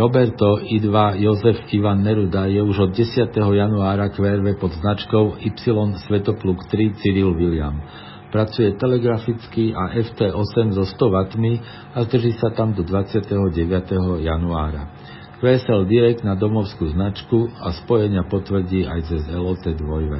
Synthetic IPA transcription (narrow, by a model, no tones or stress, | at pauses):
ɾɔbɛɾt̪ɔid̪ʋajɔzɛfiʋanːɛɾud̪ajɛuʒɔd̪̚ɟɛsɪat̪ɛɦɔjanuaːɾakʋɛːɾʋɛpɔd̪znat͡ʃkɔʊipsilɔnsʋɛt̪ɔplukt̪ɾit͡siɾilʋilɪa̰m | pɾat͡sujɛt̪ɛlɛɡɾafit͡skiaʔɛft̪ɛːʔɔsɛmzɔst̪ɔʋat̪mi | azd̪r̩ʒiːsat̪amd̪ɔd̪ʋat͡sɪat̪ɛɦɔɟɛʋɪat̪ɛɦɔjanuaːɾa̰ | kʋɛːsɛld̪iɾɛk̚d̪nad̪ɔmɔʊskuːznat͡ʃkuaspɔjɛɲɪapɔt̪ʋr̩ɟiːajt͡sɛzɛlɔt̪ɛd̪ʋɔjʋɛ̰